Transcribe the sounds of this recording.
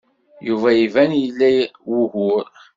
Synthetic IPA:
juvæjivænjəlːæwuhʊɾ

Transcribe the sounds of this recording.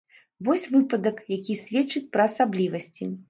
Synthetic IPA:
vɔsʲvɨpɐd̪ɐkjakʲisʲvʲɛt͡ʂɨt͡sʲpɾɐːsablʲivɐsʲt͡sʲi

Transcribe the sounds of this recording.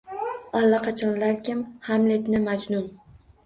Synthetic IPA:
alːaqʰɑt͡ʃʰɒnlaɾkʲɪmhamlet̪nɪmad͡ʒnʊn

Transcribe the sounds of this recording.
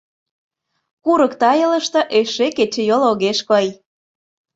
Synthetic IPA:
kuɾɤkt̪ɑjɤ̆lə̆ʃt̪ɤ̆ʔeʃeket͡ɕĕjoloɣeʃkɤj

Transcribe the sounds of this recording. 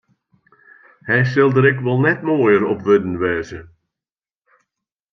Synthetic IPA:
hɛjs̬ɪlˠdəɾɪkʋɛlˠnɛtmoːjəɾɔpʋɵdənʋɛːzə

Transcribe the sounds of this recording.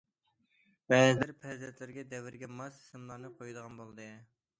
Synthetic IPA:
wɛzlɪɾpʰɛzɛt̪lɪɾɡʲɛd̪ɛwɪɾɡʲɛmɑssɨmlˠɑɾnɨqʰojud̪əʁɑnbolˠɨd̪ɨ

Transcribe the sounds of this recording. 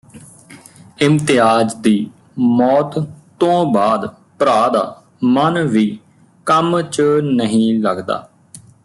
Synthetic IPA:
ɪmt̪ɪaːd͡ʒd̪iː | mɔːt̪t̪ːõːbaːd̪ | pɾaːd̪a̰ː | mənʋiː | kəmt͡ʃənəɦĩːləɡd̪a̰ː

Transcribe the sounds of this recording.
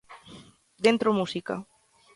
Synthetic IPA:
d̪ent̪ɾomusika̰

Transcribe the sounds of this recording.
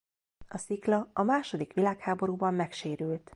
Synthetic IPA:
ɒsiklɒɒmaːʃo̞d̪ikʋilaːkhaːbo̞ɾuːbɒmːɛkʃeːɾyːlt̪

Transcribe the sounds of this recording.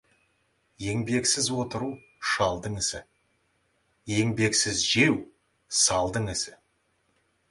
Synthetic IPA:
je̞ŋbe̞ksɪzwo̞t̪əɾu | ʃɑlˠd̪əɴɪsɪ | je̞ŋbe̞ksɪzʒe̞w | sɑlˠd̪əɴɪsɪ

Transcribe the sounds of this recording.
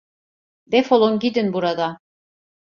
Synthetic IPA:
d̪efolˠonɡʲid̪inbuɾad̪a

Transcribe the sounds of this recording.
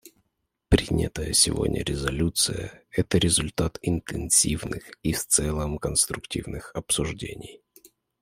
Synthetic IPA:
pɾʲinʲə̰t̪əjəsʲɪvo̞̰dʲnʲə̰ɾʲɪzɐlʲut̪sɨjə̰ɛt̪əɾʲɪzʊlʲt̪at̪ɪnt̪ɨnsʲivnɨxift̪sɛlˠəmkənst̪ɾʊktʲivnɨxɐpsʊʐdʲḛnʲɪj

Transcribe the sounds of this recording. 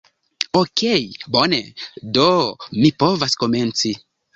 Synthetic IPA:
okʰejbonḛdomipovasko̞ment͡si

